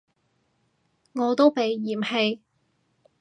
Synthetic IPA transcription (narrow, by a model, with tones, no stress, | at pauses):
ŋɔː˨˧t̪o˥wpe˨jːiː˨˩mhe˧j